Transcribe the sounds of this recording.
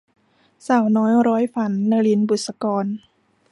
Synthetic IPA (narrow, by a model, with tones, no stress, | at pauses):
saː˨˩wnɔː˦˥jɾɔː˦˥jfa˧˦nːa˧li˧˥˨nbu˨˩t̪̚sa˧kɔː˧n